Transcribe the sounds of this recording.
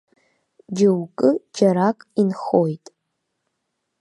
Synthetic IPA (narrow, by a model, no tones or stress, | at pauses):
d͡ʒɪwkʼɨd͡ʒaɾakʼinχojtʼ